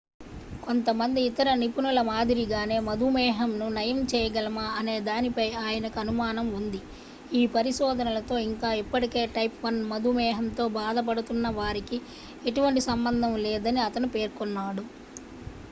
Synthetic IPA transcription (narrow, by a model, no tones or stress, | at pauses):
ko̞nt̪ɐmɐnd̪iːt̪ɐɾɐnipunɐlɐmaːd̪iɾiɡaːne̞ːmɐd̪ʱumɛːɦɐmnunɐjɐmt͡ʃɛːjɐɡɐlɐmaɐne̞ːd̪aːnipɐjaːjɐnɐkɐnumaːnɐmund̪i | iːpɐɾiʃɔːd̪ʱɐnɐlɐt̪o̞ːiŋkaːipːɐʈike̞ːʈɐjpʋɐnmɐd̪ʱumɛːɦɐnt̪o̞ːbaːd̪ɐp̬ɐɽut̪unːɐʋaːɾiki | e̞ʈuʋɐɳʈisɐmbɐnd̪ʱɐmlɛːd̪ɐniɐt̪ɐnupeːɾkɔnːaːɽu